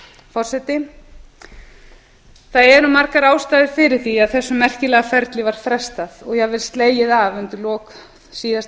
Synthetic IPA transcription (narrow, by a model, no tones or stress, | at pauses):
fɔr̥sɛt̪ɪ | θaðɛɾʏmaɾkaɾaːwst̪aːðɪɾ̥fɪɾɪɾ̥θiaðθɛsːʏmɛr̥cɪlɛɣafɛɾt̪lɪvaɾ̥fɾɛst̪aðɔɣjɛvɪlst̪leːjɪðavʏnt̪ʏlɔːk | siːðas